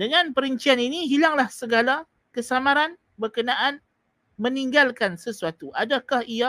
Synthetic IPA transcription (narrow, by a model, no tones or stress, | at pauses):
dəŋãnpəɾəɲt͡ʃianiniɦilaŋlahsəɡala | kəsamaɾan | bərkənaʔan | mə̃niŋɡalkansəsuat̪uʔadakahia